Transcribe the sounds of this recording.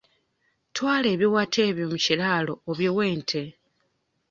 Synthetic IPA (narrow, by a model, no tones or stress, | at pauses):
twaːle̞ːβjiwatʰe̞ːβjomucilaːlo̞ːβjowe̞ːntʰe̞